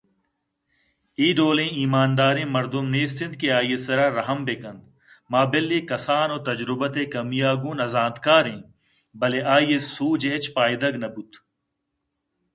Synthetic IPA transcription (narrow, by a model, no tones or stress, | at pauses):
iːɖoːlẽːiːmaːnd̪aːɾẽːmɐɾd̪umneːsɪ̃nd̪̚keaːjesɐɾaːɾɐɦɐmbekɐ̃nd̪ | maːbelːeːkɐsaːnoːt̪ɐd͡ʒɾʊbɐt̪eːkɐmijaːɡuːnɐzaːd̪kaːɾẽː | bɐleʔaːjessuːd͡ʒeːt͡ʃpaːjd̪ɐɡnɐbut̪